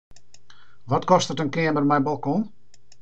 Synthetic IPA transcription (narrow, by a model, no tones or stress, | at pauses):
ʋɔtkɔstətənkɪəmərmɛjnbɔlˠkɔ̃n